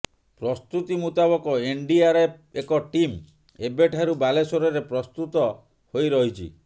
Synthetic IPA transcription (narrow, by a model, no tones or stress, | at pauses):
pɾɔst̪ut̪imut̪aβɔkɔeɳɖiaɾepekɔʈim | ebeʈʰaɾubalesoɾɔɾepɾɔst̪ut̪ɔ | hojɾɔɦit͡ʃʰḭ